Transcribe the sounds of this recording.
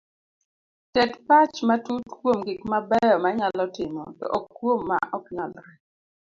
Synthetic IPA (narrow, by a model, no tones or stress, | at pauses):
tɛtpat͡ʃmatutkwomɡɪkmabɛjɔmaɲalɔtɪmɔ̰tɔ̰ʔɔkːwomːa̰ʔɔkɲɔlɾɛ